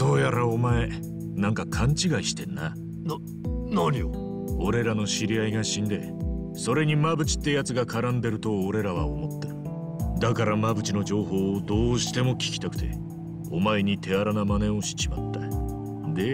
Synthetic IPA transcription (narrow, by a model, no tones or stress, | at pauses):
d̪̥o̞ːjaɾaomae̞ | nãŋkakʰãɲ̟t͡ɕiɡaiɕi̥t̪ẽ̞nːa̰ | no | noɾʲio | o̞ɾe̞ɾano̞ɕiɾʲiaiɡaɕĩnd̪e | so̞ɾe̞ɲ̟imabɯ̟t͡ɕi̥t̪ːe̞jat͡sɨɡakaɾãnd̪e̞ɾɯ̟t̪o̞ːɾe̞ɾaβ̞a̰omo̞t̪ːe̞ɾɯ̟ | d̪akaɾamabɯ̟t͡ɕino̞d͡ʑo̞ːɦo̞ːd̪o̞ːɕi̥t̪e̞mo̞kʲi̥kʲi̥t̪akɯ̟̥t̪e̞̰ | o̞mae̞ɲ̟it̪ʰe̞aɾanamane̞o̞ɕi̥t͡ɕima̰t̪ːa | d̪e̞